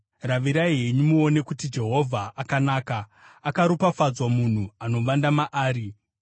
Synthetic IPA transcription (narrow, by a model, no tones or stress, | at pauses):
raʋiɾaiɦe̞ɲumuo̞ne̞kutid͡ʒe̞ɦo̞vʱaakanaːkaː | kaɾupafad͡zwamun̤uano̞ʋandamaʔaːɾi